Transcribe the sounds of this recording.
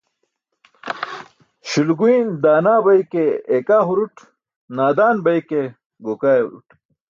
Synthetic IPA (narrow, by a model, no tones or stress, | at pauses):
ɕulɡuind̪aːnaːbɐjkeekaːɦuɾuʈ | naːd̪aːnbɐjke | ɡokaːjṵɾṵʈ